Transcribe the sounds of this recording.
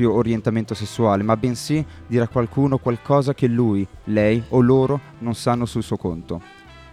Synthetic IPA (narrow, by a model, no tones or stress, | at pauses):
joːɾjent̪ament̪osesːuaːlemabːensid̪iːɾakːwalkuːnokwalkɔːzak̟elːuːjlɛjolːoːɾo | nonsanːosulsuokont̪o